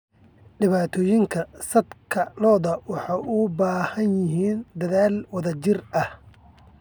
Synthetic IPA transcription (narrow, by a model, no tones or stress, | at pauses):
ɖɪβaːt̪ʰɔːjɪŋkʰɐsɐd̪kʰɐlɔːðɐwɑħɑjʔʊbaːhɐnjɪɦiːnd̪ɐðaːlwɐðɐt͡ʃɪrɐh